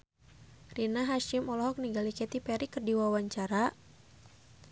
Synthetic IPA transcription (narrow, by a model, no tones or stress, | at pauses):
rinaɦaʃimɔlɔɦɔk̚niɡalikɛt̪ipɛɾikərdiwawaɲt͡ʃaɾa